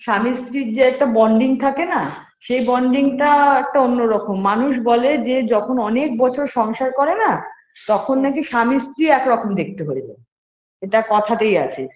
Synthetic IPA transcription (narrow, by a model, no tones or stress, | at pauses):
ʃamist̪ɾiɾd͡ʑeɛk̚ʈabɔɳɖiŋt̪ʰakena | ʃejbɔɳɖiŋʈaɛk̚ʈaonːoɾɔkomːanuʃ̬bɔled͡ʑed͡ʑɔkʰonɔnek̚bɔt͡ɕʰoɾʃɔŋʃaɾkɔɾena | t̪ɔkʰonːakiʃamist̪ɾiɛkɾɔkomd̪ek̚ʰt̪eɦojbe | eʈakɔt̪ʰat̪eja̰t͡ɕʰe